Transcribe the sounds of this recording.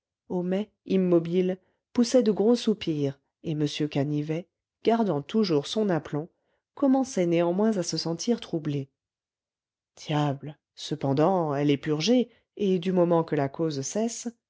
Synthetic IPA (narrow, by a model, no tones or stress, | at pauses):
ɔmɛ | imːɔbil | pusɛd̪əɡʁosupiʁ | eməsjøkanivɛ | ɡ̥aʁd̪ɑ̃t̪uʒuʁsɔ̃naplɔ̃ | kɔmɑ̃sɛneɑ̃mwɛ̃zasəsɑ̃t̪ʰiʁt̪χuble | d̪̥jabl | səpɑ̃d̪ɑ̃ɛlɛpyʁʒe | ed̪ymɔmɑ̃kəlakozsɛs